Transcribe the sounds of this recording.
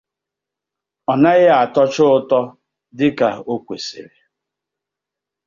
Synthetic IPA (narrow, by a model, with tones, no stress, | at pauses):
ɔ˨na˦ɣɪ˦a˨tɔ˦t͡ʃʊ˦ʊ˦tɔ˦ | dɪ˦ka˨o˦kʷḛ˨sḛ˨ɾe˨